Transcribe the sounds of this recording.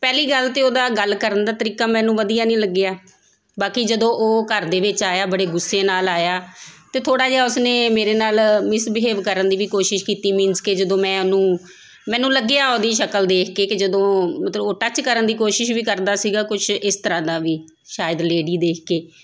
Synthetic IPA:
pɛːliːɡəlt̪eːoːd̪aːɡəlːkəɾənd̪aːt̪əɾiːkaːmɛ̃ːnũːʋəd̪ijaːnĩːləɡːɪjaː | baːkiːd͡ʒəd̪õːʔoːkəɾd̪eːʋɪt͡ʃaːjaːbəɽeːɡʊsːeːnaːlaːjaːt̪eːt̪ʰoːɽaːd͡ʒaːʊsneːmeːɾeːnaːlmɪsbɦeːʋkəɾənd̪iːʋiːkoːʃɪʃkiːt̪iːmɪ̃nsked͡ʒəd̪õːmɛ̃ːənũː | mɛ̃ːnũːləɡːeaːoːd̪iːʃəkəld̪eːkʰkeːkɪd͡ʒəd̪õːmət̪ləboːʈət͡ʃkəɾənd̪iːkoːʃɪʃʋiːkəɾd̪aːsiːɡaːkʊt͡ʃʰɪst̪əɾãːd̪aːʋiː | ʃaːjəd̪leːɖiːd̪eːkʰkeː

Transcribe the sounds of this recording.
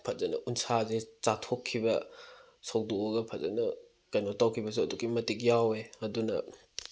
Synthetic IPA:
pʰɐt̚zɐnɐ̰ʔunsazet͡ʃatʰokʰːibɐ | sɐwdooɡɐpʰɐt̚zɐ̰nɐ | kɐjnotawkʰibɐsoɐdukːimɐtik̬̚jaweɐdunɐ̰

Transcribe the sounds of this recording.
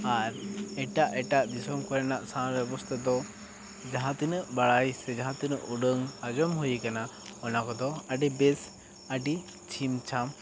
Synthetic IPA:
aɾɛʈaʔɛʈaʔd̪isɔmkɔɾɛnaʔsãɾbjɛbɔst̪ʰad̪ɔ | d͡ʒaɦãt̪inəʔbaɭajsɛd͡ʒaɦãt̪inəʔuɖəŋad͡ʒɔmɦujikana | ɔnakɔd̪ɔəɖibɛs | əɖi | t͡ʃʰimt͡ʃʰam

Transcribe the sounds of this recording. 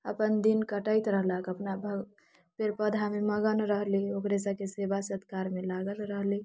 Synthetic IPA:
əpənd̪inkəʈəjt̪ɾəɦləkəpnabʱə | peɾpəd̪ʱameməɡənɾəɦliokɾesəkesebasəd̪ʱkaɾmelaɡəlɾəɦli

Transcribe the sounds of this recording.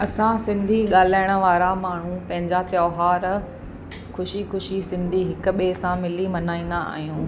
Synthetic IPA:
ɐsãsɪ̃nd̪ʱiɠaːl̤aːɪɽ̃ə̆ʋaːɾamaːɳ̤ũpɐ̃ɦɪ̃ɲd͡ʑat̪jɔːɦaːɾ | xʊʃixʊʃisɪ̃nd̪ʱiɦɪkʊ̆ɓeːsãmɪlimɐnaːĩːn̆d̪aa̰ːɦijũː

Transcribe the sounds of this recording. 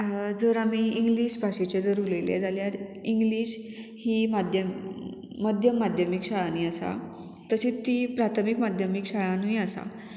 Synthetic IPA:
d͡zəɾamiːiŋɡliɕbʱaɕet͡ɕed͡zəɾuɾlelḛd͡zaljaɾiŋɡliːɕ | hiːmad̪ʱjəː | əd̪ʱjəmːad̪ʱjəmikɕaɭaniːasa̰ | t̪əɕiːt̪ːiːpɾat̪ʰəmikmad̪ʱjəmikɕaɭanuiasa̰

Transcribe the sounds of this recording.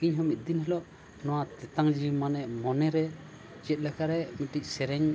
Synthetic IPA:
kiɲɦɔmit̪̚d̪inɦɛlɔʔ | nɔwat̪ɛt̪aŋd͡ʒimanɛʔmɔnɛɾɛ | d͡ʒɛt̪̚lɛkaɾɛmiʈic̚sɛɾɛɲ

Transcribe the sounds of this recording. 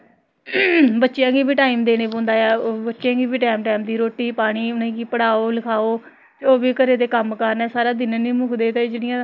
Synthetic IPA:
bətːʃejãːɡiːbʱiːʈaːimd̪eːɽ̃eːpõːnd̪aːjaːbətːʃjãːɡiːbiːʈɛːmʈɛːmd̪iːɾoːʈːiːpaːɽ̃iːʊnẽːɡiːpəɽaːoːləkʰaːoː | t̪oːbiːkəɾeːt̪eːkəmkəɾnɛːsaːɾaːd̪ɪnnĩːmʊkʰd̪eːt̪ãd͡ʒeːɽɪjãː

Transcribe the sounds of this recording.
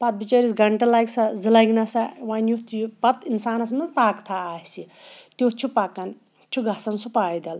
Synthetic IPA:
pɐt̪̚bit͡ʃɐɾisɡɐɳʈɐlajksɐzilɐjɡnɐsɐwaːnjut̪ʰjupɐt̪insaːnɐsmɐzpaːkt̪ʰaaːsit̪jutt͡ʃʰupakɐn | t͡ʃʰuɡʱɐsɐnsupaːjd̪ɐl

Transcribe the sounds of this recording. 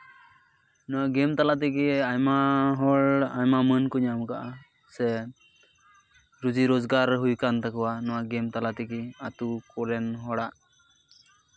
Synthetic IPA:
nɔwaɡɛmt̪alat̪̬ɛkiajmaɦɔɭajmamənkɔɲamkaʔa | sɛ | ɾud͡ʒiɾozɡaɾɦujkant̪akɔwanɔwaɡɛmt̪alat̪ɛkiat̪ukɔlɛnɦɔɽaʔ

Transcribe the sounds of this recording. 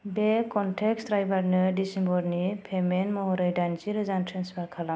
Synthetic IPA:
bekɔnʈʰeksɾajbaɾnɯdisimbɔɾnipʰemenmɔɾɯjdand͡ʒiɾɯzantʰɾensbakʰala

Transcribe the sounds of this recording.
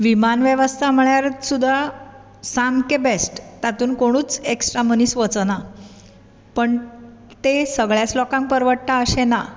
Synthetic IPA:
ʋimanʋjəʋəst̪ʰam̤əɭjaɾt͡ssud̪ʱːa | saŋkebesʈt̪at̪uːnkoɽ̃uːt͡seksʈɾam̤əniːsʋət͡sna | pəɳ | t̪esəɡɭjat͡slɔkãŋk̚pəɾʋəʈt̪aəɕena

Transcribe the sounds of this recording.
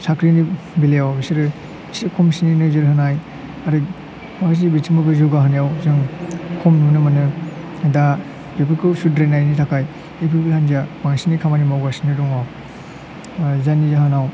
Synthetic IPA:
sakʰɾini | bileawbisiɾɯ | sikʰɔmsininɯzɯɾhɯnaj | aɾɯ | maks̬ibitʰimɯbɯzuɡaɦɯnijawzɯŋkʰɔmnunɯmanɯ | da | bepʰikɯsudɾenajnitʰakʰaj | epʰikɯlanzabaŋsinikʰamanimawɡasinɯdɔŋaw | zanizahanaw

